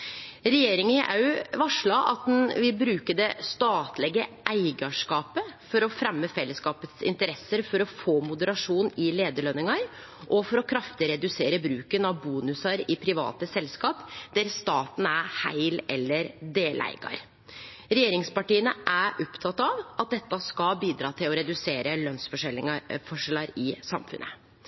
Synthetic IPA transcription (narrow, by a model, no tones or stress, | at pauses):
ɾɛjeːɾɪŋənʔɑ̰ʉʋɑʂɭɑʔɑ̰t̪̚d̪ɛnʋɪlbɾʉːkəd̪ɛst̪ɑːt̪lɛɡəʔæɪɡɑʂkɑːpəfɔɾɔfɾɛmːəfɛlːəskɑːpət̪sɪ̰nt̪əɾɛsːəɾfɔɾɔfoːmʊd̪əɾɑʂuːnɪleːd̪əɭœnɪŋɑɾ | ʔɔfɔɾɔkʰɾɑft̪ɪɾɛd̪ʉseːɾəbɾʉːkənɑʋbuːnʉsɑɾɪpʰɾɪʋɑ̰ːt̪əsɛlskɑːpd̪̥æɾst̪ɑːt̪n̩æɾhæ̰ɪlɛlːəɾd̪eːlæ̰ɪɡɑ̰ɾ | ɾɛjeːɾɪŋspɑʈiːənəʔæɾʔɔpt̪ʰɑt̪ːɑʋɑt̪̚d̪ɛt̪ːɑskɑlbiːd̪ɾɑːt̪ʰɪlɔɾɛd̪ʉseːɾəlœnsfɔʂɛlɪŋɑfɔʂɛlɑɾɪsɑmfʉ̰nʔə̰